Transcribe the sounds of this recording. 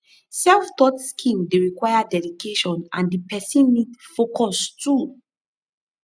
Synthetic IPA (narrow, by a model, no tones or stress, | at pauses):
sɛlftɔtskʰĩŋdeɹikwajadɛdikʰeʃɔ̃nã̰ndipɛsĩnmitfokɔstu